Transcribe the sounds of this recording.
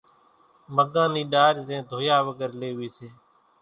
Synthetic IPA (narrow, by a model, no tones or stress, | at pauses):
məɡãːniːɗaːɾzẽːd̪ʱoːjaːʋəɡəɾleːɦʊiːseː